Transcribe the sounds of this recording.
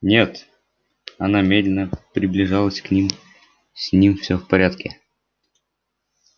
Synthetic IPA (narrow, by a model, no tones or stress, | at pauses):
nʲe̞t̪ | ɐnamʲed̪lʲɪnəpɾʲɪblʲɪʐalˠəsʲknʲim | sʲnʲimfsʲɵfpɐɾʲat̪kʲɪ̰